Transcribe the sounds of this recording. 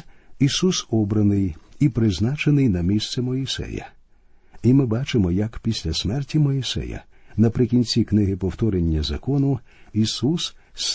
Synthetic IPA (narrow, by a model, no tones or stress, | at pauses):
isusɔbɾɐnɪjipɾɪznɑt͡ʃenɪjnɐmʲist̪sɛmɔɪsɛ̰jɐ̰ | imɪbɑt͡ʃɪmɔjɐkpʲisʲlʲɐsmɛrtʲimɔɪsɛ̰jɐ̰ | nɐpɾɪkʲinʲt͡sʲiknɪɦɪpɔwt̪ɔɾenʲːɐzɐ̰kɔnʊisuss